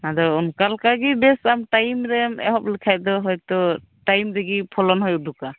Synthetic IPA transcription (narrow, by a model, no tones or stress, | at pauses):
nad̪ɔunkalkaɡibɛsamʈajmɾɛmɛ̰ɦɔp̚likʰajd̪ɔɦɔjt̪ɔ | tajmɾɛɡipʰɔlɔnɦɔjduka